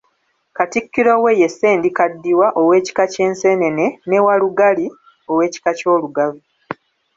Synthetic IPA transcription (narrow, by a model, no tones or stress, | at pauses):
katikːiɾo̞we̞jesːe̞ːndikadːiwaʔo̞we̞ːci̥kace̞ːnse̞ne̞ne̞newaluɡali | o̞we̞ːci̥kaco̞ːluɡavu